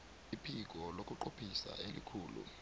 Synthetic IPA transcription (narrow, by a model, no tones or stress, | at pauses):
ipʰik̬ɔlokʼuǃopʰisa̰elḭkʰuːlṵ